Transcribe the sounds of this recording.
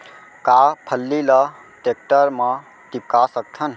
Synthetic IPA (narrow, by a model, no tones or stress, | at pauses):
kapʰəlːilə | ʈek̚ʈəɾmã | t̪ip̚kasək̚t̪ʰən